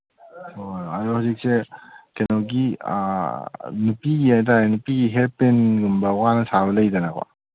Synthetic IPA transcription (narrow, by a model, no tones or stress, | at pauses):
hojaɾɔhuzik̚sekenɔwɡḭ | nupiɡiajtanupiɡiɦepenɡumbɐwanɐsaβɐlɐjdanaka̰